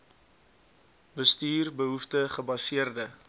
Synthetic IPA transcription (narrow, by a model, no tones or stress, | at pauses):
bəstyːrbəɦuftəχəbɐsiərdə